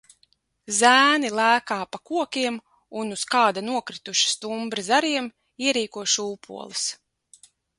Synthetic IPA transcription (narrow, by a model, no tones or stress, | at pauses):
zæːnilˠæːkaːpakuɔkʲiɛm | unuskaːd̪anuɔkɾit̪uʃi̥st̪umbɾizaɾiɛm | iɛɾiːkuɔʃuːpʰṵɔlˠɨs